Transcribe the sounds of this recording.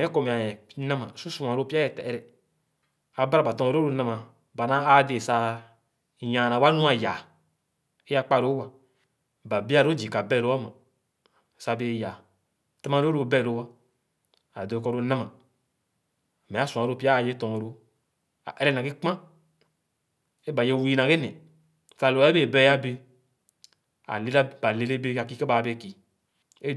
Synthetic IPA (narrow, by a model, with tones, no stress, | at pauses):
ɛ̃˨˦kɔ˧mĩ˨a˨jɛ̃˨nã˦mã˨su˦sũ˨ã˨ɾo˧˦pi˦a˦jɛ˦tɛ˨ɛ˦ɾɛ˨ | a˨ba˦ɾa˨ba˨tɔ̃˧ɾo˦ɾo˧nã˧mã˨ | ba˨nã˨˦a˦de˨sa˧ | jã˨nã˨wa˦nũ˦a˨ja˨ | e˦a˧k͡pa˦˨ɾo˦wa˨ | ba˨bi˦a˧˨ɾo˦d͡ʒi˨ka˨bɛ˦˨ɾo˦a˦mã˨ | sa˧be˧˦ja˨ | ta˦mã˧˦ɾo˦ɾo˧bɛ˦˨lo˧˦wa˦ | a˨do˨˦kɔ˦ɾo˦nã˦ma˨ | me˨a˦sũ˨ã˨ɾo˦pi˦a˦˨je˦tɔ̃˨ɾo˦ | a̰˨ʔe˦ɾɛ˦nã˨ɡe˦k͡pã˦ | e˦ba˨je˦˨wu˦i˧nã˨ɡe˦nɛ̃˨ | sa˧˦lo˨˦e˦e˦˨bɛ˦ja˦be˧ | a̰˨le˨ɾa˦ba˨le˨˧le˦be˦a˨ki˧ke˦ba˨˧be˦˨ki˨ | e˦